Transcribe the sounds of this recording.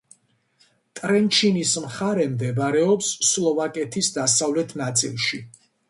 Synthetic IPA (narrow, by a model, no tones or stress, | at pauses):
t̪ʼɾɛnt͡ʃʰinismχaɾɛmd̪ɛbaɾɛɔpsːlˠɔvakʼɛt̪ʰisd̪asavlɛt̪ʰnat̪sʼḭlˠʃi